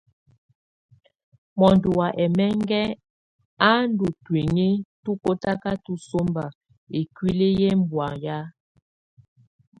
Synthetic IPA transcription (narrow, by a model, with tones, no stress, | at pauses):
mɔ˨ndu˨wa˨ʔɛ˨mɛ˦ŋ˦ɡɛ˦ | a˦n˦du˨twe˨ŋe˦tu˦ko˦ta˦ka˦tu˦so˦mba˨ | e˨kwi˦le˦jɛ˦m˨bwa˨ŋja˦